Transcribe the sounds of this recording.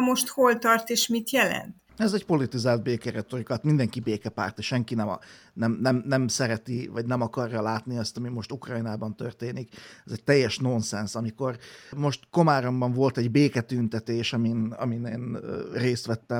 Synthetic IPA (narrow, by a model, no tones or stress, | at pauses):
mo̞ʃt̪holt̪ɒrt̪eːʃmit̪jɛlɛ̰nt̪ | ɛzɛcpo̞lit̪izaːlt̪̚beːkɛɾɛt̪o̞rikɒt̪mind̪ɛŋkibeːkɛpa̰ːrt̪ʃɛŋkinɛm | nɛmnɛmnɛmsɛɾɛt̪ivɒɟnɛmɒkɒrjɒlaːt̪niɒst̪ɒmimo̞ʃt̪ukrɒjnaːbɒnt̪ørt̪eːnikɛzɛɟ̚t̪ɛjːɛʃno̞nsɛnsɒmiko̞rmo̞ʃt̪ko̞maːɾo̞mbɒɱvo̞lt̪ɛɟbeːkɛt̪ynt̪ɛt̪eːʃɒminɒ̰mineːnreːst̪ʋɛt̪ːɛ